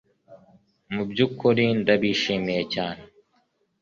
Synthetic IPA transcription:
mubd͡ʑukʰːoɾiːnd̪ɐbiːʃimet͡ɕaːn

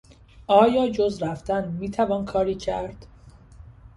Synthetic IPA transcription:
ʔɒːjɒːd͡ʒozɾæft̪ænmiːt̪ʰævɒːnkʰɒːɾiːcʰæɾd̪̥

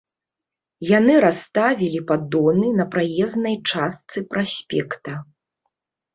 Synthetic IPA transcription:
janɨɾast̪avʲilʲipad̪ɔnɨnɐpɾajɛznɐjt͡ʂast̪sɨpɾasʲpʲɛkt̪ɐ

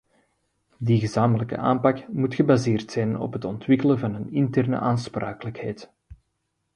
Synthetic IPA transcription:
diɣəzaːmələkə̰ʔa̰ːmpɑkmutxəbazeːrtsɛjnɔ̰pɦətɔntʋɪkələnvɑnənɪntɛrnə̰ʔaːnspraːkələkhɛjt

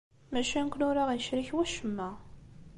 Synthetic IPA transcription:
mæʃænkʷnʊɾaʁinʃɾiçwæʃəmːæ

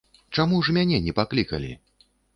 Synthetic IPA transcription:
t͡ʂamuʐmʲanʲɛnʲɛpaklʲikɐ̰lʲḭ

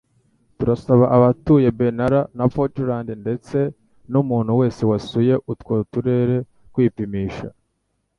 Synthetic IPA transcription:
tuɾasaβaʔaβatuje̞be̞naɾanapotuɾaːndinde̞t͡se̞ | numuːn̤̥huwe̞ːse̞wasuje̞ʔutwotuɾe̞ɾe̞ | kwiːpimiːʃa̰

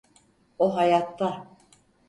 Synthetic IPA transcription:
oɦajat̪ʰːa

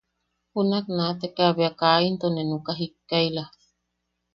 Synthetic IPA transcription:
hunaknat̪ekaβeakaint̪onenukaɦikːajla

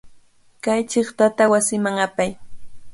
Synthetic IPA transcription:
kajt͡ʃɪχt̪at̪awasɪmaŋapaj

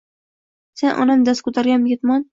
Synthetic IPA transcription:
se̞nʔɒ̰nanɨd̪askʰʊt̪aɾɡʲamjet̪mɒn

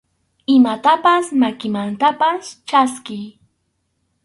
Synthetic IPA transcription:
ɪmat̪apasmakɪmant̪apast͡ʃaskɪj

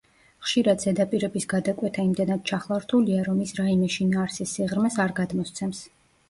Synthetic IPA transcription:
χʃiɾad̪zɛd̪apʼiɾɛbisɡad̪akʼwɛt̪ʰaimd̪ɛnad̪̥̚t͡ʃʰaχlˠaɾt̪ʰuliaɾɔmisɾaimɛʃinaːɾsisːiʁɾmɛsaɾɡad̪mɔst̪sʰɛms

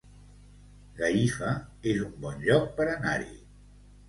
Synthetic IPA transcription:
ɡaifəezumbɔnʎɔk̚pəɾənaɾḭ

